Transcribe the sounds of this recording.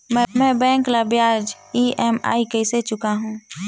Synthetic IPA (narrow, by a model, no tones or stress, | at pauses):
mɛ̃ːbɛ̃ːŋklabjaːd͡ʒ | iːɛma̰ːikəɪset͡ʃʊkaɦũː